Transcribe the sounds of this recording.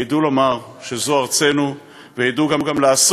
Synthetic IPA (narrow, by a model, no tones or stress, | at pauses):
idulo̞maʁ | ʃezoaʁt͡se̞nu | vejiduɡamɡamlaaːs